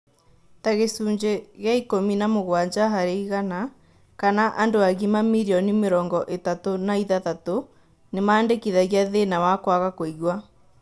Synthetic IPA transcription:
taɣesuːɲd͡ʑeɣeaikominamoɣwaɲd͡ʒaɦaɾeiɣana | kanaʔandoaɣimamiɾiɔnimeɾɔːŋɡɔʔetatonaiðaðato | nemaːndekiðaɣjaðenawakwaɣakwoiɣwa

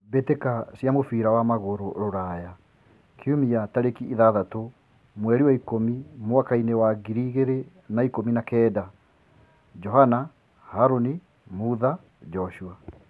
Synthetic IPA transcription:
betekasjamofiɾawamaɣoɾoɾoɾaja | kʰeumiataɾekiʔiðaðato | mwɛɾiwaikomimwakainewaɡiɾiɣeɾe | naikominakɛːda | d͡ʒɔɦana | haɾoni | muða | d͡ʒɔʃua

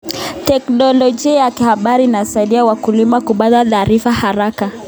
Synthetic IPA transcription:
tɛknɔlɔd͡ʒiajakihaɓaɾinasaiɗiawakulimakuɓaðataːɾifahaɾaka

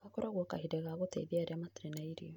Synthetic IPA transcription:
akoɾaɣwɔka̰hidɛɣaɣotḛðiaɾɛamatiɾenaiɾiɔ

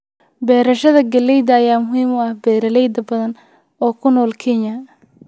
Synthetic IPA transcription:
bɛːɾɐʃɐðɐɡɐlɛjd̪ɐɐjaːmʊɦiːmʊɐhbɛːɾɐlɛjd̪ɐbɐðɐn | ɔːkʰʊnɔːlkʰɛnjɐ

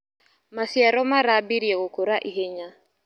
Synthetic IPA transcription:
masiaɾɔmaɾabiɾiɛɣʊkʰoɾaʔiɦeɲa

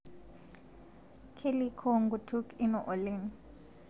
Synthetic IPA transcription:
kʰelikʰɔŋɡutʰukinɔʔoleːni

